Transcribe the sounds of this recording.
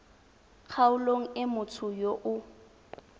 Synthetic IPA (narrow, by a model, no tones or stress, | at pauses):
k͡xʰaʊloŋ̩ɪmʊt͡sʰʊjoʔʊ